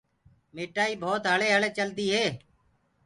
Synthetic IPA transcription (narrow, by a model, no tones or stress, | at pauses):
meːʈaːiːbʱoːt̪ɦəɭeːɦəɭeːt͡ʃəlt̪iːɦeː